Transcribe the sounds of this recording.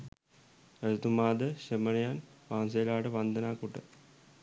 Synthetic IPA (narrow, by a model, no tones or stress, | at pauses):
ɐɾt̪umaːd̪ɐɕɐmɐnɐjaːnʋaːns̬ejlaːʈɐʋɐnd̪ʱɐnaːkuʈːɐ̰